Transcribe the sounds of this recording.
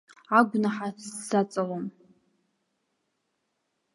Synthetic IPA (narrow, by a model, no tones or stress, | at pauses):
aɡʷnaħasːat͡sʼalom